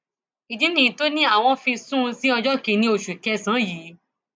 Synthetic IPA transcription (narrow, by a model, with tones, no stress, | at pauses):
i˨dĩ˨˦nĩ˨to˦nĩ˦a˦˨w̃ɔ̃˧fĩ˧sũ˦˧si˦ɔ˧d͡ʒɔ˦kẽ˧nĩ˦o˧ʃu˨kɛ˧˦sã˨˦jiː˨˦